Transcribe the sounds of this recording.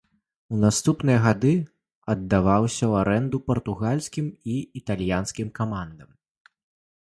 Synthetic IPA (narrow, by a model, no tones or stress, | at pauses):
unast̪upn̪ɨjɐɣad̪ɨ | ɐd̪ːavawsʲɐwaɾɛnd̪upɐrt̪uɣalʲsʲkʲimiit̪alʲjansʲkʲimkamand̪ɐm